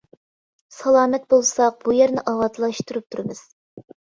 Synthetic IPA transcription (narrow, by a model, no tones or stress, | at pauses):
sɑlˠɑːmɛt̪̚bolˠsɑq̚b̥ujæɾnɪʔɑwɑt̪lˠɑʃt̪uɾup̚t̪ʰuɾɨmɨz̥